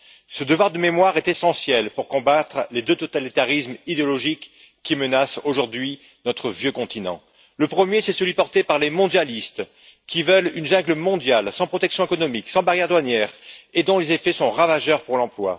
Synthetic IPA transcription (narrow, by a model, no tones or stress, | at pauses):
səd̪əvwaʁd̪əmemwaʁɛt̪esɑ̃sjɛlpuʁkɔ̃bat̪χled̪øt̪ot̪alit̪aʁismid̪eɔlɔʒikː | imənasoʒuʁd̪ɥi | nɔt̪χəvjøkɔ̃t̪ʰinɑ̰̃ | ləpχəmjesɛsəlɥipɔʁt̪epaʁlemɔ̃d̪jalist̪ | kʲivœlynʒɛ̃ɡləmɔ̃d̪jalsɑ̃pχɔt̪ɛksjɔ̃ekɔnɔmiksɑ̃baʁjɛʁd̪wanjɛːʁed̪ɔ̃lezefɛsɔ̃ʁavaʒœʁpuʁlɑ̃plwa̰